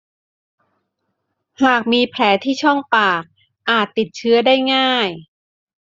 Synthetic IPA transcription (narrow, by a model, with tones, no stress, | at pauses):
haː˨˩k̚miː˧pʰlɛː˩˦t̪ʰiː˥˩t͡ɕʰɔ˥˩ŋpaː˨˩k̚ | ʔaː˨˩t̪ːi˨˩t̪̚t͡ɕʰɯ˦˥ɐdaː˥˩jŋaː˥˩j